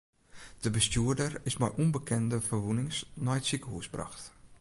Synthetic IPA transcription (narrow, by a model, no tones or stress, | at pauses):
d̥əbəstjuːədərɪsmɛjʔunbəkʰɛndəfərʋunɪŋsnɔjtsikəhusbra̰xt